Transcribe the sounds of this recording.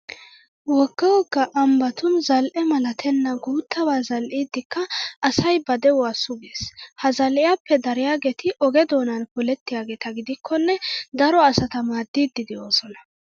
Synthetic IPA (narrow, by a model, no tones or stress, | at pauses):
wɔɡ̥ːɐwɔɡːɐʔɐmbɐt̪ʊnzɐlʔɛmɐlɐt̪ʰɛnːɐɡuːt̪ːɐbaːzɐlʔiːd̪ːɪkːɐʔɐsɐjbɐd̪ɛʊwaːsʊɡeːshɐzɐlʔɪjaːpːɛd̪ɐɾɪjaːɡeːt̪ʰɪʔɔɡɛd̪o̞ːnɐnkʊlɛt̪ːɪjaːɡeːt̪ɐɡɪd̪ɪkʰːɔnːɛd̪ɐɾɔɐsɐt̪ɐmaːd̪ːiːd̪ːɪd̪ɪo̞ːsɔnɐ